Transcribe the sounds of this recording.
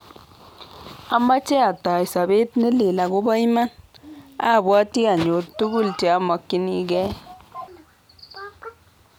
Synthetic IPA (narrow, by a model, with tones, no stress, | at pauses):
a˦ma˦t͡ʃe˦a˨tːa˨jsa˨be˦tnɪ˦li˨la˨ɡo˦ba˦i˦ma˦n | a̰˦˨bwa˦tːi˦a˨ɲo˨tːu˦ɡu˦lte˨a˦ma˨kːi˦ni˦ɡɛ˦